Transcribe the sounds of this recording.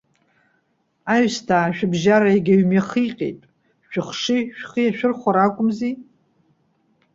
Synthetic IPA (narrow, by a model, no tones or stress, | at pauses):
aɥstʰaːʃᶣɪbʒaɾaiɡʲaɥmaχiqʲʼḛjtʼ | ʃᶣʊχʂiʃᶣχijaʃᶣɪrχʷaɾakʷʼʊmzi